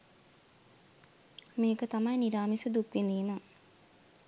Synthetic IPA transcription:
meːkət̪amɐjniɾaːmisəd̪upːend̪iːmə

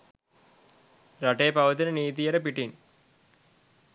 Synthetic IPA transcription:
ɾɐʈːeːpɐʋɐt̪ːinɨniːt̪ijɐɾepiʈːin

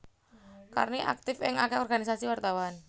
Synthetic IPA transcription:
ka̰rniʔa̰k̚t̪ɪfɪŋakɛɔrɡanisasiwart̪awan

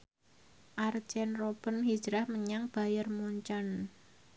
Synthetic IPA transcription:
ʔar̥d͡ʒ̥ɛnrob̥ə̤nɦid̥ʒ̥ɾahməɲaŋb̥a̤jərmuɲt͡ʃan

